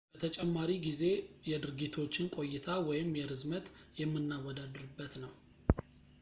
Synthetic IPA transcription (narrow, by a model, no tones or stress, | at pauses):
b̥ət̪ʰət͡ʃʼɛmːaɾiɡize̞jɛd̪ɨɾɡit̪ʰo̞t͡ʃːɪnkʼo̞jːɪt̪ʰawɔjɪmjɛɾɨzmət̪jɛmːɨnːawɔd̪ad̪ɨɾɨbːət̪nəw